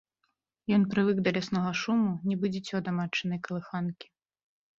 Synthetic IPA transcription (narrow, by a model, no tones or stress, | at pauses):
jɔnpɾɨvɨkd̪ɐlʲasnɔɣɐʂumunʲɛbɨd͡zʲɛt͡sʲɔd̪ɐmat͡ʂːɨnɐjkɐlˠɨxankʲi̥